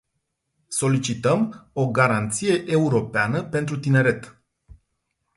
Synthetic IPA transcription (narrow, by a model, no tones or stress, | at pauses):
so̞lit͡ʃit̪əmo̞ɡaɾant̪sije̞ʔeuɾo̞peanəpe̞nt̪ɾut̪ine̞ɾe̞t̪